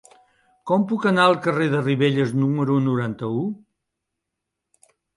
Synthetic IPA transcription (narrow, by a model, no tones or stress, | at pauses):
kɔmpukənaəlˠkəreðəriβeʎəznuməɾunuɾant̪əu